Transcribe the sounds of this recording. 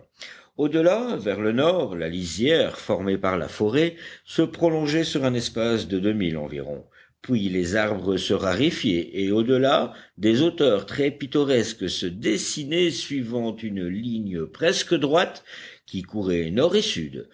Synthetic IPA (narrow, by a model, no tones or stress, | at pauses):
od̪əlavɛʁlənɔʁla̰lizjɛʁfɔʁmepaʁla̰fɔʁesəpχɔlɔ̃ʒɛsyʁɛ̃nɛspasd̪əd̪ømilɑ̰̃vḭʁɔ̰̃ | pɥilezaʁbʁəsəʁaʁifjeʔːod̪əlad̪ezot̪œʁt̪χɛpit̪ɔʁɛskəsəd̪esinesɥivɑ̃t̪ynliɲəpχɛskəd̪ʁwat̪kʲikuʁɛnɔʁesy̰d̪